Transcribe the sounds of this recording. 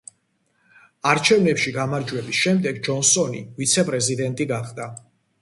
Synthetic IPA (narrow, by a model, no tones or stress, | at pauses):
aɾt͡ʃʰɛvnɛpʃiɡamaɾd͡ʒwɛbisʃɛmd̪ɛɡd͡ʒɔnsɔnḭvit̪sʰɛpʼɾɛzid̪ɛnt̪ʼiɡaχd̪a